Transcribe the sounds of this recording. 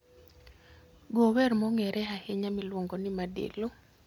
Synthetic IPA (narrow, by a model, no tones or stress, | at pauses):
ɡowɛrmɔŋɛɾʔɛɦaheɲamɪlwoŋɡonɪmadḛlo